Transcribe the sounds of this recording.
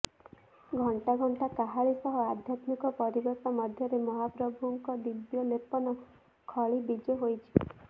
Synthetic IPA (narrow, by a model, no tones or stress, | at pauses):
ɡʱɔɳʈaɡʱɔɳʈakaɦaɭisɔɦɔad̪ʱjat̪mikɔpɔɾibɔɾt̪ɔmɔd̪ʱjɔɾemɔɦapɾɔbʱuŋkɔd̪ibjɔlepɔnɔ | kʰɔɭibid͡ʒɔɦojt͡ʃʰi̥